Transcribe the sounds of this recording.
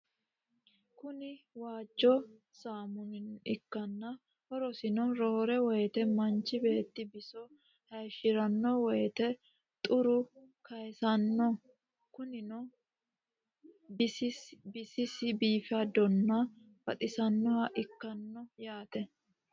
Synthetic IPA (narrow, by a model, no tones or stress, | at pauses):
kʊnɪwaːd͡ʒːɔ | saːmʊnɪnɪkːɐnːɐ | hɔɾɔsɪnɔɾɔhɔɾɛwɔjɛt̪ɛmɐnt͡ʃːɪbe̞ːt̪ːɪbɪsɔ | hɐjʃɪɾɐnːɔwɔjɛt̪ɛ | t̪ʼʊɾʊkɐjɛsɐnːɔ | kʊnɪnɔ | bɪsɪbɪsɪsɪbiːfɐd̪ɔnːɐ | fɐt̪ʼɪsɐnːɔhɐʔɪkːɐnːɔjaːt̪ɛ